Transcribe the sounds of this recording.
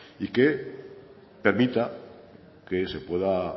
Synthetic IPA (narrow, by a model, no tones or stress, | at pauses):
ike̞ | pe̞ɾmit̪a | ke̞se̞pwe̞ða